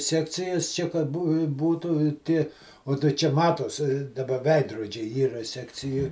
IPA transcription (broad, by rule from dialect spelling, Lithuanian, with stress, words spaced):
ˈsʲæːkt͡sʲɪjɛs ˈt͡ʃʲɛ kɐt ˈbuː ˈbuːtʊ ɪ ˈtʲiɛ oː tɐɪ ˈt͡ʃʲɛ ˈmɑːtoːs dɐˈbɐ ˈʋʲɛɪdroːd͡ʒʲɛɪ ˈiːrɐ ˈsʲæːkt͡sʲɪjoːj